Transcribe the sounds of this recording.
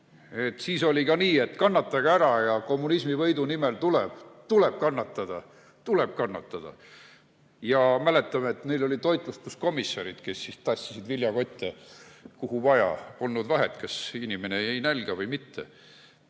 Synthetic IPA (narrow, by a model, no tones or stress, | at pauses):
e̞t̪ːsiːso̞lʲikɑniːe̞t̪ːkɑnːɑt̪ːˑɑɡ̥ɑæɾɑjɑko̞mːunismivɤjd̪unimelt̪ulɛb̥t̪uleb̥̚kɑnːɑt̪ˑːɑd̪̥ɑ | t̪ule̞b̥̚kɑnːɑt̪ːˑɑd̪̥ɑ̰ | jɑmæle̞t̪ːˑɑmeet̪nejlo̞lʲit̪o̞jt̪ˑlust̪kusko̞misːɑɾid̪̥ke̞sːist̪ɑsʲːisid̪vilʲjɑko̞t̪ʲːˑekuɦuvɑjɑ̰polːud̪vɑɦet̪kɑsinʲime̞neejnælɡ̥ɑvɤjmit̪ːḛ